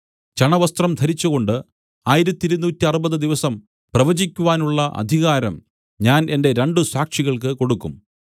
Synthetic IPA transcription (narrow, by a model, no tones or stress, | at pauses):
t͡ɕɐɳɐʋɐst̪rɐmd̪ʱɐɾit͡ɕːuɣo̞ɳɖɨ | aːjiɾɐt̪ːiɾunːuːtːiɐrubɐðɨd̪iʋɐsɐm | prɐʋɐd͡ʑikʲːuʋaːnuɭːɐʔɐ̰d̪ʱiɣaːɾɐm | ɲaːne̞nde̞ɾe̞ɳɖɨsaːkʂiɣɐɭkɨko̞ɽukːum